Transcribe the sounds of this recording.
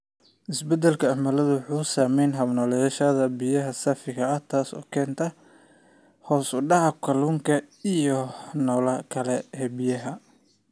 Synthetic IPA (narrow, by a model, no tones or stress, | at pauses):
ʔɪsbɛd̪ɛlkʰɐːmɐlɐðʊwħuːsaːmɛjnɦɐβnɔːlɛʃɐðɐbijɐɦɐsɐfɪɣɐɐht̪ʰaːsɔ̰ːkʰɛːnt̪ʰɐ | hɔːsʊɖɑʕɑkʰɐluːŋkʰɐijɔnɔːlɐkʰɐlɛhɛbɪjɐɦɐ